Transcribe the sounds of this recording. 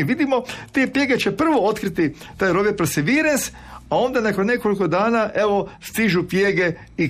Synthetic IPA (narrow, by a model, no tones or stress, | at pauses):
ʋid̪imo̞t̪epje̞ɡet͡ʃepr̩ʋoot̪kɾit̪i | t̪aːjɾoʋjepɾosiʋiːɾens | ao̞ːnd̪anakonne̞koliko̞d̪aːnaʔeʋo̞st̪iʒupjeɡe | i